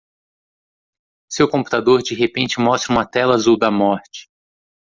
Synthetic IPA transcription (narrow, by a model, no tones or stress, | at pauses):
sewkõpu̥t̪ad̪oɾd͡ʒiɦepẽnt͡ʃɪmɔst̪ɾɐũmɐt̪ɛlazuwd̪ɐmɔɾt͡ʃɪ̥